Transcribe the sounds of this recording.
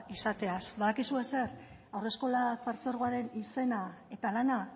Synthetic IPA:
isat̪e̞asbaðakisue̞se̞ɾ | awre̞sko̞lafaɾt͡so̞ɾɣ̞oaɾe̞nise̞nae̞t̪alana

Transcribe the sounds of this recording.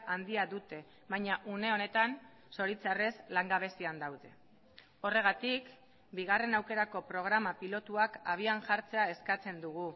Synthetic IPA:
and̪iaðut̪e̞ | βajɲaʔune̞o̞ne̞t̪an | so̞ɾit͡sare̞slaŋɡaβ̞e̞siand̪awðe̞ | o̞re̞ɣ̞at̪ik | biɣ̞are̞nawke̞ɾako̞pɾo̞ɣ̞ɾamapilo̞t̪uakaβ̞iaŋʝaɾt͡se̞ae̞skat͡se̞nd̪uɣ̞u

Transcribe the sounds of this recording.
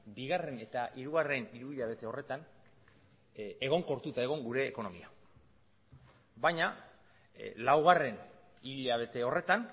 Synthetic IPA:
biɣare̞ne̞t̪aʔiɾuɣare̞niɾuβiʎaβ̞e̞t̪e̞o̞re̞t̪an | eɣo̞ŋko̞ɾt̪ut̪ae̞ɣ̞o̞ŋɡuɾe̞ːko̞no̞mia | bajɲa | lawɣ̞are̞n | iʎaβ̞e̞t̪e̞o̞re̞t̪an

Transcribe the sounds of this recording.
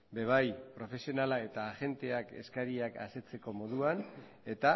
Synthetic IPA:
be̞β̞ajpɾo̞fe̞sio̞nalae̞t̪aːʝe̞nt̪e̞ake̞̰skaɾiaka̰se̞t͡se̞ko̞mo̞ðuan | e̞t̪a

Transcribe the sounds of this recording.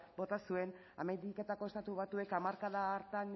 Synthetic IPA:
bo̞t̪asue̞n | a̰mend̪ike̞t̪ako̞e̞st̪at̪uβat̪ue̞kamaɾkaðaːɾt̪an

